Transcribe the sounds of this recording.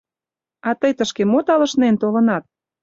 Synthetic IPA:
ɑt̪əjt̪əʃkemot̪ɑlə̆ʃnent̪olə̆nɑt̪̚

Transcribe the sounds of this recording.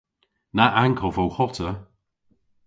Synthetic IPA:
naʔaŋkʰəvowxɔtʰə

